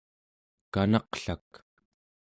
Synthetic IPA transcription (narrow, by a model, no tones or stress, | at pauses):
kanɑqɬak